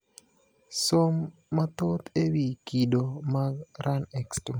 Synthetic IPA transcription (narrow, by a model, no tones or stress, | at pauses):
somːat̪ot̪ewikidomaɾanɛkstu